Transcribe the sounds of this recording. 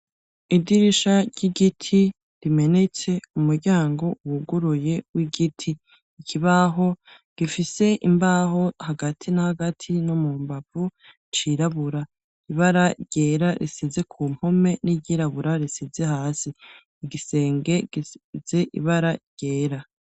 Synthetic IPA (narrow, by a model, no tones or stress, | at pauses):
idiɾiʃaɟiɡitʰi | ɾime̞ne̞t͡se̞umuɾɟaːŋɡo̞uwuɡuɾuje̞wiɡitʰiː | kʰiβaɦo̞ | ɡ̥ifise̞ʔimbaho̞haɡatʰinahaɡatʰinomuːmbav̥u | t͡ʃiɾaβuɾa | iβaɾaɟ̥e̞ːɾaɾisize̞kʰuːm̥ho̞me̞niɟiɾaβuɾaɾisize̞haːsiː | ɡise̞ːŋɡe̞̥ize̞ʔḭβaɾaɟ̥eːɾa